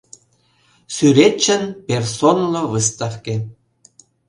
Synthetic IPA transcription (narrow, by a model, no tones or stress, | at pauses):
syɾet͡ɕːə̆npʲersonlˠovɨst̪ɑfke